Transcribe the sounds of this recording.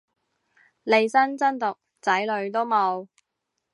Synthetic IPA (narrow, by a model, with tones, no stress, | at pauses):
le˨˧jsɐ˥nt͡sɐ˥nt̪ʊ˨k̚ | t͡sɐ˨˥jlɵ˨˧ɥt̪̬o˥wmo˨˧w